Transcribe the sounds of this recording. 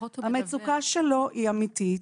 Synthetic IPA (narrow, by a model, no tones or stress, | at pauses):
hamet͡sukaʃeloʔiamit̪i